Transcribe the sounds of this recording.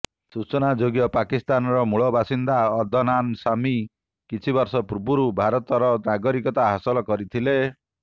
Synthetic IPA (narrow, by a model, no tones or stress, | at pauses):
sut͡ʃɔnad͡ʒoɡjɔpakist̪anɔɾɔmuɭɔbʱasind̪aɔd̪ʱɔnansami | kit͡ʃʰibɔɾsɔpuɾbuɾubʱaɾɔt̪ɔɾɔnaɡɔɾikɔt̪aɦasɔlɔkɔɾit̪ʰile